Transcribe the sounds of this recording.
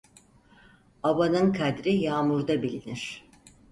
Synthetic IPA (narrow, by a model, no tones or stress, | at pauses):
abanɯnkʰad̪ɾijaːmuɾd̪abilʲiniɾ̥